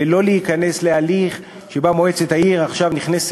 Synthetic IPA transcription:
elo̞leikane̞slealiχ | ʃe̞bamoet͡setaiʁaχʃavniχnes

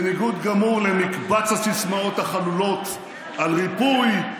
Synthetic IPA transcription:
niɡut̪ɡamuʁlemikbat͡shasismao̞t̪haχalulo̞t̪ | alʁipuj

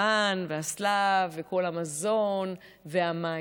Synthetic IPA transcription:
anveaslavːeko̞lamazo̞n | veɦama

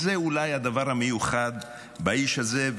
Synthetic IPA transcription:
zeulajhad̪avaʁhamejuχad̪ | baiʃhazev

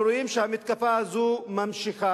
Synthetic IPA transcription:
ɾujimʃaːmit̪̚kɐfaːzumɐmʃixaː

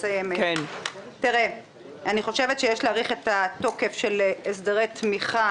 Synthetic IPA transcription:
sajemeentiʁe | aniχo̞ʃevet̪ʃejeʃlaːʁiχetato̞ke̞fʃeles̬deʁejt̪miχa

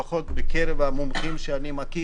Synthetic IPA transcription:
aχo̞t̪bekeɾevhamomχimʃeanimaki

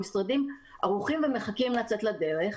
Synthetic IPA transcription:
isʁadimaʁuχimveme̞χakimlat͡set̪lad̪e̞ʁeχ

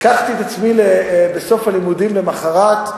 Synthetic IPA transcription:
kaχt̪it̪at͡smilebeso̞falimud̪imlemaχaʁak

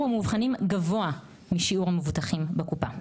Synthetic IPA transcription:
amuvχanimɡavo̞a | miʃiuʁhamevutaχimbekupa

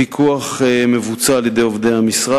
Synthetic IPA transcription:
ikʰuaχeme̞vut͡saːljed̪e̞jovd̪ejhamisʁa

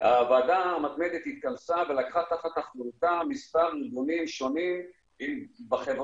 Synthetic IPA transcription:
haːvaːd̪amat̪me̞d̪et̪hit̪̚kansave̞lakχat̪aχat̪aχlut̪amispaʁliɡunimʃo̞nim | imbaχevʁ

